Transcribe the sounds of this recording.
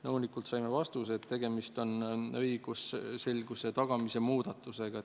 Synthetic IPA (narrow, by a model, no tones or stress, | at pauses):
nɤwnikult̪sɑjme̞vɑst̪use̞t̪ːe̞ɡ̥e̞mist̪o̞nɤjɡ̥usse̞lʲɡ̥use̞t̪ɑɡ̥ɑmise̞muːd̪̥ɑt̪ːˑuse̞ɡ̥ɑ